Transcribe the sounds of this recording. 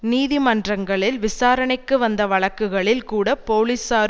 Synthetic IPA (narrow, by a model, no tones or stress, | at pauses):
niːðɪmɐndrɐŋɡɐɭɪlʋɪsaːɾɐɳɐɪkːɯʋɐnd̪ɐʋɐɭɐkːɯɣɐɭɪlkuːɽɐpoːlisaːɾ